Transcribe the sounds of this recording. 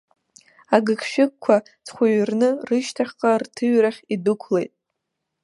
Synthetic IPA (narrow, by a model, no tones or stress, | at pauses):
aɡɨkʰʃᶣɪk̚kʷʰːa | t͡sʰχʷʊɥrnɨrɨʃtʰaχʲqʼartʰɨɥraχʲidɨkʷʰlejtʼ